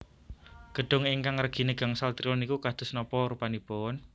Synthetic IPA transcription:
ɡ̥ə̤ɖ̥ʊ̤ŋɪŋkaŋrəɡ̥i̤neɡ̥a̤ŋsalt̪ɾionikukad̪̥ʊ̤snɔpɔɾupanipʊn

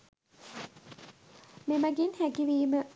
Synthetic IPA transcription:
memæɡinhæɡiʋiːmə

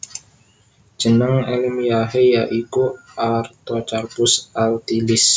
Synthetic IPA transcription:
d͡ʒ̥ənəŋelimijaɦejaʔikuʔart̪ɔt͡ʃarpʊsalt̪ilɪs

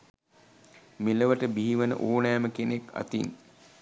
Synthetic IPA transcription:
miləʋəʈəbiɦiʋənə̰ʔoːnæjːməkeneka̰t̪in

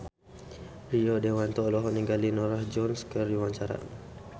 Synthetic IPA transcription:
riodewant̪ɔlɔɦɔniŋɡalinɔɾahd͡ʒɔnskəɾjuwaɲt͡ʃaɾa̰

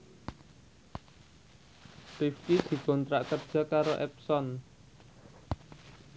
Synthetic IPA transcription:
tift̪id̪̥i̤kɔ̤nt̪ɾaʔkərd̥ʒ̥a̤kaɾoʔɛpsɔn

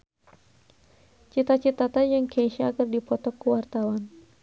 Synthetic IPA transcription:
t͡ʃit̪at͡ʃit̪at̪ad͡ʒɨŋkʰeiʃaːkɨrdipɔt̪ɔkuwart̪awan

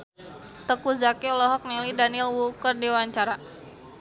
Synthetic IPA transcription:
t̪əkuzakiɔlɔɦɔk̚nilidanilwukərdiwaɲt͡ʃaɾa

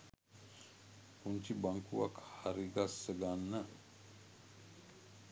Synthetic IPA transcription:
puɲt͡ʃibaŋkuʋakhaɾiɡasəɡanːə

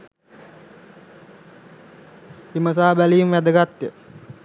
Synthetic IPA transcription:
iməs̬aːbælijumʋæd̪əɡat̪jə

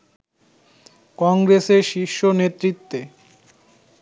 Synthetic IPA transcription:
kɔŋɡɾeseɾʃiʃːonet̪ɾit̪ːe

